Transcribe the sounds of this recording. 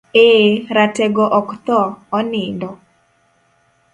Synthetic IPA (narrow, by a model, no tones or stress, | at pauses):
eɾatɛɡɔʔɔkt̪ɔːnɪndɔ